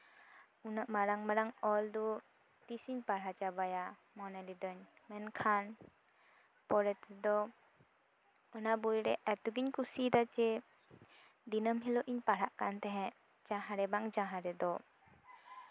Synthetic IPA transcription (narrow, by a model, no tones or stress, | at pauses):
unaʔmaɾaŋmaɾaŋɔld̪ɔ | t̪isiɲpaɽat͡ʃabaja | mɔnɛlid̪əɲmɛnkʰan | pɔɾɛt̪ɛd̪ɔ | ɔnabujɾɛʔɛt̪uɡiɲkusid̪at͡ʃɛ | d̪inəmɦɛlɔʔiɲpaɾaʔkant̪ɛɦɛ̃ʔ | d͡ʒaɦaɾɛbaŋd͡ʒãɦãɾɛd̪ɔ